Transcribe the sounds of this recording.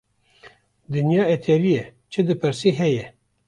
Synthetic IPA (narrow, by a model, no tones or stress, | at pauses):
d̪ɨnjɑːɛt̪ʰɛɾijɛt͡ʃʰɨd̪ɨpʰɨɾsiːɦɛjɛ